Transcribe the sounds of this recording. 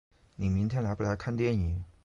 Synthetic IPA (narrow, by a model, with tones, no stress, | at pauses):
ni˨˩mi˧˥ŋt̪ʰjɛ˥˩nla˧˥ɪpa˨˩t̪a˧˥ɪkʰa˥˧nt̪jɛ˥˩nni˨˩˦